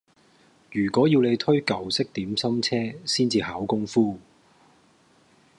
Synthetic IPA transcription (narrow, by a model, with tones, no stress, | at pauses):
jyː˨˩kʷɔː˨˥jiː˧wle˨˧jt̪ʰɵ˥ɥkɐ˨˧wsɪ˥k̚t̪iː˨˥msɐ˥mt͡sʰɛː˥siː˥nt͡siː˧haː˨˥wkʊ˥ŋfuː˥